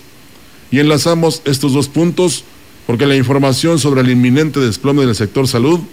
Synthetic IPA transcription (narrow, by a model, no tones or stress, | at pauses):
ie̞nlasamo̞se̞st̪o̞zðo̞spunt̪o̞s | po̞ɾke̞laiɱfo̞ɾmasjo̞ns̬o̞βɾe̞ːlimːĩne̞nt̪e̞ðesplo̞meðelse̞k̚t̪o̞ɾsaluð